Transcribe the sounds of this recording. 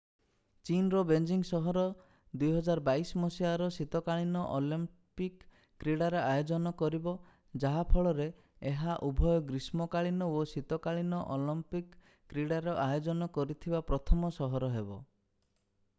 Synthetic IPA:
t͡ʃinɾɔbend͡ʒiŋsɔɦɔɾɔ | d̪ujɦɔd͡ʒaɾbaismɔsiaɾɔsit̪ɔkaɭinɔʔɔlim | pikː | ɾiɽaɾɔajod͡ʒɔnɔkɔɾibɔ | d͡ʒaɦapʰɔɭɔɾe | eɦaʔubʱɔjɔɡɾismɔkaɭinɔosit̪ɔkaɭinɔʔɔlɔmpikː | ɾiɽaɾɔʔajod͡ʒɔnɔkɔɾit̪ʰibapɾɔt̪ʰɔmɔsɔɦɔɾɔɦebɔ

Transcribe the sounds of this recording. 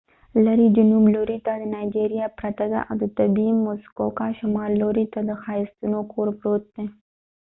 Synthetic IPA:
laɾid͡ʒʊnubloɾit̪ad̪ənɑjd͡ʒeɾijɑpɾat̪ad̪a̰ʔa̰wd̪ət̪abimʊskokaʃamɑlːoɾit̪ad̪əxɑɪst̪unokʰoɾpɾot̪̚d̪̥e

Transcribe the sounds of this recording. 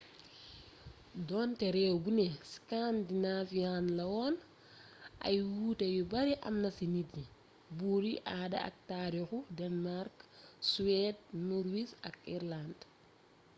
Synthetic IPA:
dɔntɛɾɛwɡuneskandinafianlɐwɔn | ʔɐ̰jwutɐjubɐɾiʔɐ̰mnɐsiniti | buɾiʔaːdɐ̰a̰k̚taɾixudɛnmaɾksuwɛd̚nuɾwisɐ̰kiɾland

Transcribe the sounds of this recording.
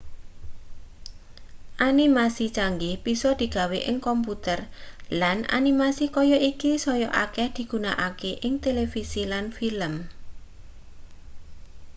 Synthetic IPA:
ʔanimasit͡ʃaŋɡɪhb̥isɔd̪̥i̤ɡ̥a̤weʔɪŋkɔmput̪ərlana̰nimasikɔjɔʔikisɔjɔʔa̰kɛhd̪̥i̤ɡ̥ṳnaʔakeʔɪŋt̪elefisilanfiləm

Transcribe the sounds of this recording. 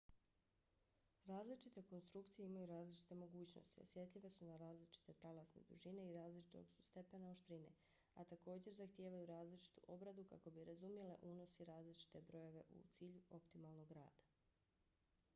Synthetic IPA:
ɾaːzlit͡ʃit̪e̞ko̞nst̪ɾukt̪sije̞imajuɾaːzlit͡ʃi̥t̪e̞mo̞ɡuːt͡ɕno̞̰st̪io̰sje̞t̪ʎiʋe̞sunaɾaːzlit͡ʃi̥t̪e̞t̪alasnḛd̪uʒine̞iɾaːzlit͡ʃi̥t̪o̞ɡsu̥st̪e̞pe̞naoʃt̪ɾinḛ | at̪ako̞ːd͡ʑe̞ɾzaxt̪jeːʋajuɾaːzlit͡ʃi̥t̪uʔo̞bɾad̪uka̰ko̞biɾazumjele̞̰ʔuno̞siɾaːzlit͡ʃi̥t̪e̞bɾo̞jo̞ʋe̞̰ʔṵt̪siːʎuo̞pt̪imalˠno̞ɡɾa̰ːd̪̥ḁ

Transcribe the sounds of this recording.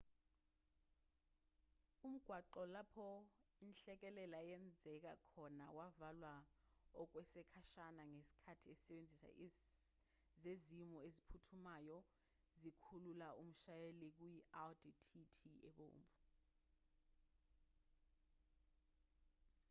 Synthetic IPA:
um̩ɡ̥ʱwaǃɔlapʰɔinɬɛk̬ɛlɛlajɛnd͡zʱɛk̬akʰɔnawavalwaɔk̬wɛsɛkʰaʃanaŋesi̥kʰatʰiɛisɛɓend͡zʱisa̰ | zezimɔezipʰutʰumajɔ | zikʰululaum̩ʃajelik̬ujialditʰitʰiɛ̰ɓo̰ːmbʱu

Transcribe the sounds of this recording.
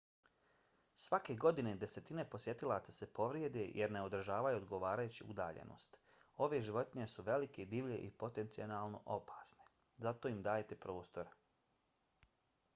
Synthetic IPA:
sʋake̞ɡo̞d̪ine̞d̪e̞se̞t̪ine̞po̞sje̞t̪ilˠaːt̪sase̞po̞ʋɾjed̪ejʔeɾneo̞d̪r̩ʒaːʋajuod̪ɡo̞ʋaːɾajuːt͡ɕḭṵd̪aːʎḛno̰ːst̪ | o̞ʋe̞ʒiʋo̞t̪iɲe̞suʋe̞like̞d̪iːʋʎe̞̰ʔipo̞t̪e̞nt̪sio̞naːlˠno̰ʔo̞pʰḁːsne | zat̪o̞imd̪aːjet̪e̞pɾo̞ːst̪o̞ɾ

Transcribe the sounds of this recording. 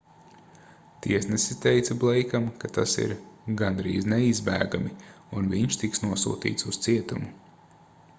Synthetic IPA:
t̪iɛsnɛsit̪ɛjt̪sɐblˠɛjkamkat̪asḭɾɡanɾḭːznɛizbæ̰ːɡami | unviɲʃt̪iksnuɔsṵːt̪ḭːt̪sust̪siɛt̪umu

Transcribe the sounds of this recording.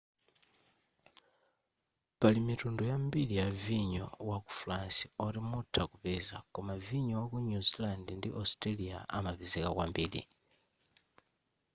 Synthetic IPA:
palimitundujambilijaviɲɔ̰waku̥fuɾansiɔɾimutʰakupɛza̰kɔmaviɲɔwakuɲuzilandɛndiʔɔstɾalia̰ʔamapizɛkakwambiːɾḭ

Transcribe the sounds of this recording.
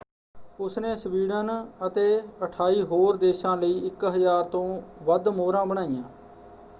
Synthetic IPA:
ʊsneːsʋiːɽənət̪eːəʈʰaːiːɦoːɾd̪eːʃãːləiːɪkɦəzaːɾt̪õːʋəd̪moːɾãːbəɽ̃aːɪjãː

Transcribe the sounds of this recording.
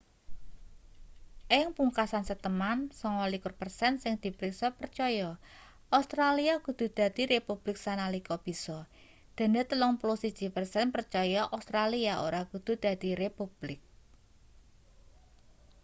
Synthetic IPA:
ʔɪŋpuŋkasansət̪əmansɔŋɔlikʊrpərsɛnsɪŋd̪̥i̤pɾiksɔpərt͡ʃɔjɔ | ʔast̪ɾaliakud̪̥ṳd̪̥a̤d̪̥i̤ɾepub̥lɪk̚sanalikɔb̥i̤sɔ | d̪̥a̤net̪əlɔŋplusid̥d͡ʒ̥i̤pərsɛnpərt͡ʃɔjɔʔast̪ɾaliao̰ɾakud̪̥ṳd̪̥ä̤d̪̥i̤ɾepub̥lɪk̚

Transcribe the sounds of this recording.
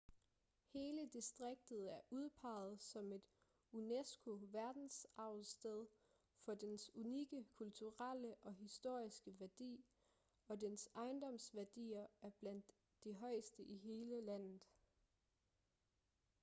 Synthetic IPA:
he̝ːləd̥isd̥ʁeɡ̥̚d̥ð̩ˠæɐʔuð̞ˠpʰɑ̈ːð̩ˠsɒ̽me̝d̥ | unesɡ̥o̝ʋæɐd̥n̩sɑ̈ʊð̩ˠsd̥eð̞ˠ | fɒ̽d̥ensuniɡ̥əkʰult͡sʰuʁal̰əʔɒ̽ɦisd̥o̝ɐ̰isɡ̥əʋæɐd̥ḭː | ɒ̽d̥ensɑ̈ɪnd̥ɒ̽m̰sʋæɐd̥ḭːɐæɐb̥læn̰d̥ː | iɦɒ̽ɪsd̥əʔiɦe̝ːləlæn̰ð̩ˠ

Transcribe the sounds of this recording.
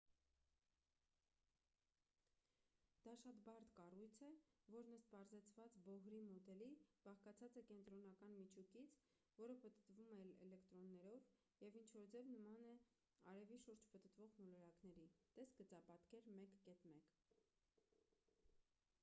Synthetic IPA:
d̪̥ɑʃɑt̪bɑɾt̪kɑrujt͡sʰɛvɔɾnəst̪̚pɑɾzɛt͡sʰvɑt͡sbɔɦɾimɔd̪ɛlib̥ɑχkɑt͡sʰɑt͡sɛkɛnt̪ɾɔnɑkɑnmit͡ʃʰukit͡sʰ | vɔɾəpət̪ət̪vumɛɛ̰lɛkt̪ɾɔnːɛɾɔv | jɛvint͡ʃʰvɔɾd͡zɛvnəmɑnɛ | ɑɾɛviʃuɾd͡ʒpət̪ət̪vɔʁmɔlɔɾɑknɛɾit̪ɛsɡət͡sɑpɑt̪kɛɾmɛkːɛt̪mɛk

